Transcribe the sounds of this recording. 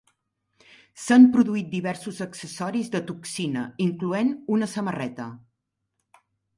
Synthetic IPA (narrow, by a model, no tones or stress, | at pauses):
sampɾuðuit̪̚d̪iβɛɾsuzəksəsɔɾizðət̪uksinəiŋkluenunəsəmərɛt̪ə